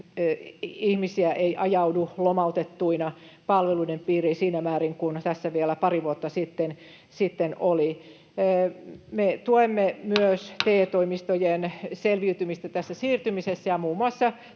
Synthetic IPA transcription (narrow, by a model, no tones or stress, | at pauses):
ihmisiæʔeiʔɑjɑudulomɑut̪et̪ːuinɑpɑlʋeluinempiːrisiːnæmæːɾiŋkunt̪æsːæʋielæpɑriʋuot̪ːɑsit̪ːen | sit̪ːenoli | met̪uemːemyøst̪eːt̪oimist̪ojenselʋiyt̪ymist̪æt̪æsːæsiːrt̪ymisesːæjɑmuːmuɑsːɑ